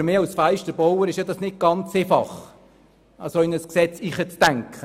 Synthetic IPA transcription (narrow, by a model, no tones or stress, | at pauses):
ɾmɪːɑsfæɪʃtəbowəɾɪʃjɑdɑsnɪt̚ɡ̥ɑnt͡seːfɑ̰χ | ɑsoɪnəsksɛt͡siːχət͡stæŋkʰχə